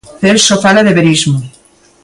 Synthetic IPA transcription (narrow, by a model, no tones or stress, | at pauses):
θelsofalaðeβeɾizmu